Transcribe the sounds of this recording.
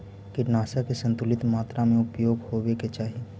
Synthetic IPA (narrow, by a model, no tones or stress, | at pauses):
kɪʈnaːsakesɐ̃nt̪ʊlɪt̪maːt̪ɾamẽʊpjoːɡhoːʋeket͡ʃaːɦi